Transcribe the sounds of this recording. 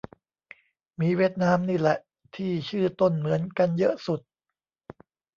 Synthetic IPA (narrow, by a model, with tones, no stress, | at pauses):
miː˨˥wi˥˩ət̪̚naː˦˥mniː˥˩lɛ˨˩ʔ | t̪ʰiː˥˩t͡ɕʰɯː˥˩t̪o˥˩nmɯ˩˦ənka˧njɤ˦˥ʔsu˨˩t̪̚